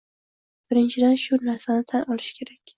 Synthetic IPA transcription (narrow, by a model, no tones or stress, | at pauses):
b̥ɪɾɪnt͡ʃʰɪd̪anʃʊnaɾsanɪt̪ʰanʔɒlɪʃkʲʰe̞ɾakʲ